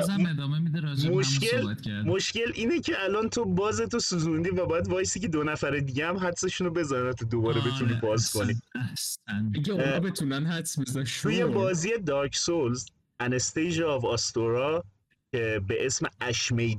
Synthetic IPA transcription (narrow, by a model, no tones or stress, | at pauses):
ed̪memid̪moʃelmoʃce̞lʔiːnecʰeʔælɒnt̪ʰo̞bɒːzet̪osuzund̪iːvæbɒːjæd̪bɒːjesiːcʰe̞d̪onæfæɾed̪iɟeæmɦæt̪se̞ʃunobe̞zɒːnænæt̪ʰod̪obɒːɾebe̞t̪ʰuniːbɒːzkʰo̞nisiɡeɔbet̪ʰunænhæt̪sbezʰujebɒːziːje̞d̪ɒːɾcʰsolz | ænest̪ejʒːvɒst̪oɾɒ | cʰebeʔesmeæʃmejd̪